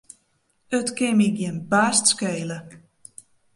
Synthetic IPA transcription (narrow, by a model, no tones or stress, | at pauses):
ətkɪmik̚jɪnbaːstskeːlə